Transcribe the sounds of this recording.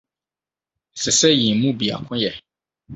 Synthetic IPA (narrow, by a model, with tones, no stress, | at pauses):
sɪ˨sɛ˦jĩ˨˦mũ˦bi˨a̰˨kʰʊ̃˦jɛ˨